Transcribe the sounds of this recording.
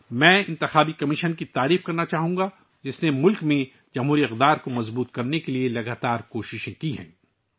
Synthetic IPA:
mɛ̃ːɪ̃nt̪ɪxaːbikɐmɪʃənkit̪aːɾiːfkɐɾnat͡ʃaːɦũːɡa | d͡ʒɪsnemʊlkmẽ | d͡ʒɐmɦuːɾiɐqd̪aːɾkomɐzbuːt̪̚kɐɾnekelielɐɡaːt̪aːɾkoːʃɪʃẽkiɦɛ̰̃ː

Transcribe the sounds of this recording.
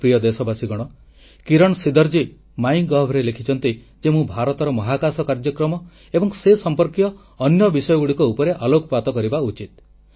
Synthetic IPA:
pɾijɔd̪esɔbasiɡɔɽ̃ɔ | kiɾɔɽ̃sid̪ɔɾd͡ʒi | maiŋɡɔɦbʱɾelekʰit͡ʃɔnt̪i | d͡ʒemũbʱaɾɔt̪ɔɾɔmɔɦakasɔkaɾd͡ʒɔkɾɔmɔ | ebɔŋsesɔmpɔɾkijɔː | njɔbisɔjɔɡuɽikuupɔɾeʔalokɔpat̪ɔkɔɾibaut͡ʃit̪̚

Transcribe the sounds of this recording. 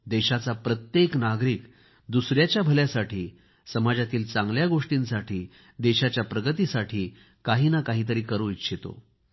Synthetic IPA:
d̪ɛɕat͡sapɾət̪jeknaɡɾiːk | d̪usɾjat͡ɕjabʱəljasaʈʰiː | səmad͡ʑat̪iːlt͡sãŋɡljaɡoʂʈĩnsaʈʰiː | d̪ɛɕat͡ɕjapɾəɡət̪iːsaʈʰiː | kaɦiːnakaɦiːt̪̬əɾiːkəɾũitɕʰit̪o̰

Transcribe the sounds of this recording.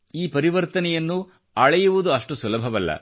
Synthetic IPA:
iːpɐɾiʋɐɾt̪ɐnɛjɐnːu | ɐɭɐjuʋud̪uɐʂʈusulɐbʱɐʋɐlːɐ̰

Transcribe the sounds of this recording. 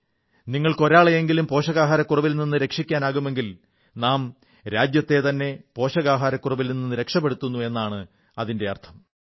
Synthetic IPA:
niŋːɐɭkoɾaːɭejeŋɡilumpo̞ːɕɐɣaːɦaːɾɐkːurɐʋilninːɨɾe̞kʂikʲːaːnaːɣume̞ŋɡil | naːm | ɾaːd͡ʑjɐt̪ːe̞t̪ɐnːe̞po̞ːɕɐɣaːɦaːɾɐkːurɐʋilninːinːɨɾe̞kʂɐp̬ːeɽut̪ːunːue̞nːaːɳɨ | ɐðinde̞ɐ̰rt̪ʰɐm

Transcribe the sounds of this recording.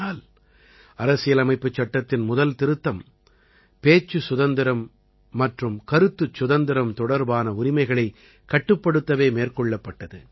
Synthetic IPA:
aːl | ɐɾɐsɪjɐlɐmɐɪpːɯt͡ʃːɐʈːɐt̪ːɪnmʊðɐlt̪ɪɾɯt̪ːɐm | peːt͡ʃːɯsʊðɐnd̪ɪɾɐmː | ɐʈrɯmkɐɾɯt̪ːɯt͡ʃːʊðɐnd̪ɪɾɐmt̪ɔɽɐɾbaːnɐʊɾɪmɐɪɣɐɭɐɪ | kːɐʈːɯpːɐɽɯt̪ːɐʋeːmeːrkɔɭːɐpːɐʈːɐðɯ

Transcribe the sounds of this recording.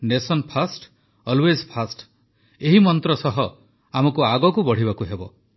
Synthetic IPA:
nesɔnpʰasʈ | ɔlwezpʰasʈ | eɦimɔnt̪ɾɔsɔɦɔ | amɔkuaɡɔkubɔɽ̤ibakuɦebɔ

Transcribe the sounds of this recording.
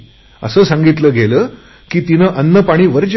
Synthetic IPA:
ə̰səːsaŋɡit̪ləːɡʱeləː | kiːt̪inəːʔənːəpaɽ̃iːʋəɾd͡ʑ

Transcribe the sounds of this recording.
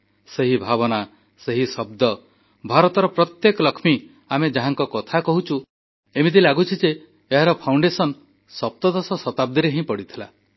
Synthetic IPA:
seɦibʱabɔna | seɦisɔb̚d̪ɔ | bʱaɾɔt̪ɔɾɔpɾɔt̪jekɔlɔkʰmi | amed͡ʒaɦaŋkɔkɔt̪ʰakɔɦut͡ʃʰu | emid̪ilaɡut͡ʃʰid͡ʒeː | ɦaɾɔpʰawɳɖesɔn | sɔp̚t̪ɔd̪ɔsɔsɔt̪ab̚d̪iɾeɦĩpɔɽit̪ʰila

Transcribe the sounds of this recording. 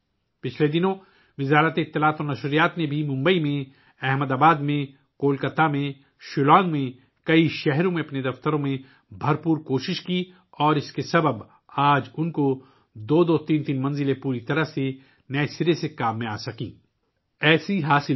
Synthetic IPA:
pɪt͡ʃʰled̪ɪnõ | ʋɪzaːɾət̪eɪt̪ːɪlaːt̪ɔːɾnɐʃɾijaːt̪nebʱimʊ̃mbəimẽ | ɛɦməd̪aːbaːd̪mẽ | koːlkət̪ːamẽ | ʃʊlãːŋɡmẽ | kɐiʃɛɦɾõmẽɐpned̪ɐft̪əɾõmẽ | bʱɐɾpuːɾkoːʃɪʃki | ɔːɾɪskesɐbəb | aːd͡ʒʊnko | d̪oːd̪oːt̪iːnt̪iːnmɐ̃nzɪlepuːɾit̪ɐɾəɦse | nɛːsɪɾesekaːmːẽaːsɐkḭ̃ː | ɛːsiɦaːsɪ

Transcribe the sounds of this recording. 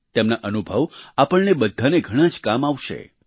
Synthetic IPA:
t̪emnaʔənubʱəʋapəɳnebəd̪ʱːaneɡʱəɽ̃ãd͡ʒkamaʋʃḛ

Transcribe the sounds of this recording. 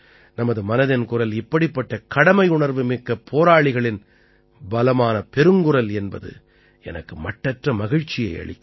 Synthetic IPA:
nɐmɐðɯmɐnɐðɪnkʊrɐlɪpːɐɽɪpːɐʈːɐkɐɽɐmɐɪʊɳɐɾʋɯmɪkːɐpʰoːɾaːɭɪɣɐɭɪn | bɐlɐmaːnɐpɛɾɯŋɡɯrɐlɛnbɐðɯ̰ | ɛnɐkːɯmɐʈːɐʈrɐmɐɣɪɻt͡ʃːɪjɐɪɐ̰ɭɪ̰kː

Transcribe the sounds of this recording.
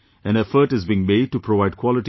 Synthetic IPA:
æ̃ñɛfəʈɨzbĩːŋmeɖ̚ʈupʰɾoʋaɪɖ̚kʰwɔlɪʈ

